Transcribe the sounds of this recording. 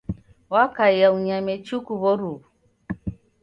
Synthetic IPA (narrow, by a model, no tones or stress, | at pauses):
wakaijauɲamɛt͡ʃukuβɔɾuβu